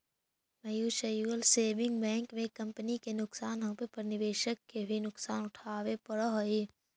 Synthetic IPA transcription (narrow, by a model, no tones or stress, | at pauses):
mɐjuːʃɐjuːəlseːbɪ̃ŋɡbɛ̃ːŋkmẽkɐ̃mpənikenʊksaːnɦɐ̃pepɐɾnɪʋeːʃəkːebʱinʊksaːnʊʈʰaːʋepɐɽoɦoeː